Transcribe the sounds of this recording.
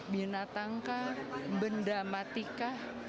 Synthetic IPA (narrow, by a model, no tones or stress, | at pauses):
binat̪aŋkahmbəndamat̪ikah